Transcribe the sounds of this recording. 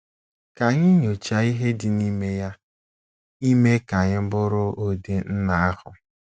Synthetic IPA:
ka˨ɲɪ˦ɲo˨t͡ʃa˨i˦ɦe˦dɪ˨ni˦me˦ja˦ | i˦me˦ka˨ɲɪ˦bʊ˦ɾʊ˦ʔo˦de˦n̩˦na˨a˦hʊ˨

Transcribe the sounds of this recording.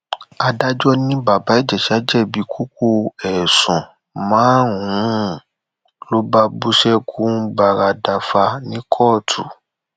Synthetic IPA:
a˧da˦d͡ʒɔ˦nĩ˦ba˨ba˨˦i˦˨d͡ʒɛ˨ʃi˨˦a˦d͡ʒɛ˦˨bi˨˦kʰu˦k̚o˦˧ɛ˨sɔ̃˨ | mãː˨˦wũ˦ | lo˦ba˧bu˦ʃɛ˦kʰu˦ba˧ɾa˧da˧fa˧nĩ˦kʰɔː˦˨tʰu˨

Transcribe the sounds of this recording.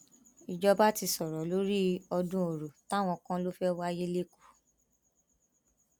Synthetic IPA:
i˨d͡ʒɔ˧ba˦ti˧sɔ˨ɾɔ˨˦lo˦ɾi˦ɔ˧dũ˦o˨ɾo˨ta˦˨w̃ɔ̃˧kã˦lo˦fɛ˦wa˦je˦le˦ku̥˨

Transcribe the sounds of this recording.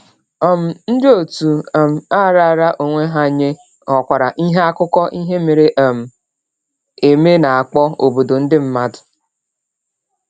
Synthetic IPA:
ɔ˦m̩˨n̩˦dɪ˦o˨tu˨m̩˨a˦˨ɾa˦˨ɾa˦ʔo˨ŋʷe˦ɦa˦˨ɲe˦ | ɔ˨kʷa˨ɾa˨ʔi˦ɦe˦a˦kʊ˦kɔ˦ʔi˦ɦe˦me˨ɾe˦ʔa˨m̩˨ | e˨me˦na˨a˨k͡pɔ˦o˨bo˨do˨n̩˦dɪ˦m̩˦ma˦dʊ̥˨

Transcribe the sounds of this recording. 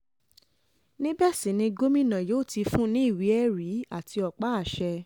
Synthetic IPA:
nĩ˦bɛ˦˨sĩ˨˦nĩ˧ɡo˦mĩ˦nã˨joː˨˦˨ti˧fũ˦nĩ˦i˦˨wi˨˦ɛ˦˨ɾi˨˦a˦˨tʰi˧ɔ˨k͡pa˦a˦˨ʃɛ˧

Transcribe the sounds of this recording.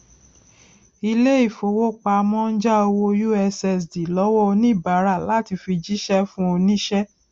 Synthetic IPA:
i˧le˦i˦˨fo˨˧wo˦k͡pa˧mɔ̃˦n̩˦d͡ʒa˦o˧wo˧ju˦ɛ˧sɛ˧˨s̬di˨lɔ˦wɔ˦˧nĩ˦˨ba˨˦ɾa˦˨la˨˦ti˧fi˧d͡ʒi˦ʃɛ˦fũ˦o˧nĩ˦ʃɛ˦

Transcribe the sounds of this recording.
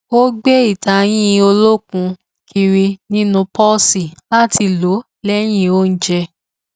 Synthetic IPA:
wo˦ɡ͡be˦i˦˨ta˧j̃ĩ˦o˧lo˦kũ˧ | kʰi˧ɾi˧nĩ˦nũ˧pɔ˦si˨la˦ti˧lo˨˦ | lɛ˦j̃ĩ˦o˦n̩˦d͡ʒɛ˧

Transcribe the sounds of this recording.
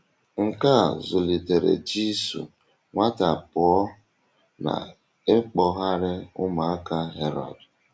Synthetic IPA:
ŋ̩˨ka˦˨zʊ˨li˨te˨ɾḛ˨d͡ʒi˦sṵ˨ | ŋʷa˦ta˨pʊ˨ɔ˦ | na̰˨ | e˦k͡pɔ˨ɦa˦ɾɪ˦ʊ˦ma˨a˦ka˦ɦe˦ɾɔ̰˨d

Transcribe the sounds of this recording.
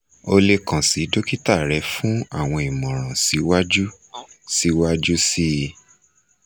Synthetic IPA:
o˧le˧kã˨si˨˦do˦ki˦ta˦˨ɾɛ˨˦fũ˦a˦˨w̃ɔ̃˧i˨mɔ̃˨ɾ̃ã˨si˨˦wa˦d͡ʒu˦ | si˦wa˦d͡ʒu˦si˦

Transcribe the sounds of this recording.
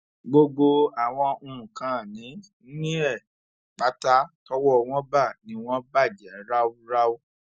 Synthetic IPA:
ɡ͡bo˧ɡ͡bo˧a˨w̃ɔ̃˧ũ˧ũ˨kã˨˦˨nĩ˨˦ | nĩ˦ɛ˦˨ | k͡pa˨˦ta˦tɔ˦wɔ˦˨w̃ɔ̃˦ba˦˨nĩ˨˧w̃ɔ̃˦ba˦˨di˨a˨˦ɾa˦wu˦ɾa˦o˦

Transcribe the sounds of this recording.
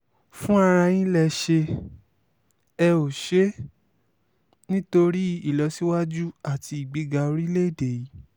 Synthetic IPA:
fũ˦a˧ɾ̃ã˧j̃ĩ˦lɛ˦˨ʃe˧ | ɛ˧o˨ʃe˦ | nĩ˦to˧ɾi˦i˦˨lɔ˨˦si˦wa˦d͡ʒu˦a˦˨ti˧i˨ɡ͡bi˨˦ɡa˧o˧ɾi˦le˦˨de˨i˨˦

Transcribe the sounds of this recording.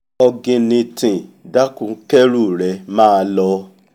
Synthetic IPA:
ɔ˧ɡĩ˧nĩ˧tĩ˨da˦kũ˧˦kɛ˦ɾu˦˨ɾɛ˨mãː˦˧lɔ˧

